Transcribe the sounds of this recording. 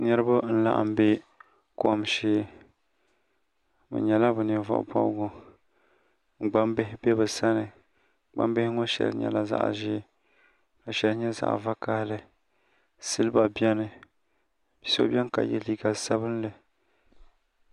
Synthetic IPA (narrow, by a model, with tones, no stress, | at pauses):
nɛ˦ɾɨ˦bʊ˦n̩˦la̰˨ʔa̰˨m˦be˦ | ko˨mʃeː˦ | bɨ̰˨ɲɛ˨la˦bɨ˨nɨ˨vɔ̰˨ʔbɔ̰˦lɡo˨ | ŋ͡m̩˨ɡ͡ba˦mbɪ˦hɪ˦bɛ˦bɨ˨sa˦nɨ˨ | ɡ͡ba̰˦mbɪ˦hɪ˦ŋo˦ʃɛ̰˨lɲɛ̰˨la˨za̰˦˨ʔʒɪː˦ | a˨ʃɛ˨lɲɛ˦za̰˨ʔva˦ka˦hlɨ˦ | sɨ˦lɨ˦ba˨bɛ˦nɨ˨ | bi˦so̰˦bʲɛ˦n˦ka̰˨jɛ̰˦li˦ɡa˨sa˦bɨ˦n˦lɨ˨